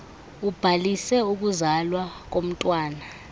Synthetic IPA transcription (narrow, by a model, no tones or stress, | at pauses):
ub̥ʱalisɛuk̬uzalwak̬om̩tʼwaːna